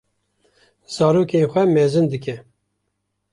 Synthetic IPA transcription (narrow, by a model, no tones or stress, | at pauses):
z̥ɑːɾoːkenxʷɛmɛːzɨnd̪ɨk̬ɛ